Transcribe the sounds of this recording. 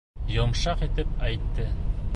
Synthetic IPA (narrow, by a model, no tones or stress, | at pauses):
jŏmʃɑqit̪ɘp̚æjt̪ːɘ